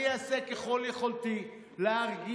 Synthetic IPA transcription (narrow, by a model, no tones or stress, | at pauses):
easekeχoljeχolt̪i | leaʁɡi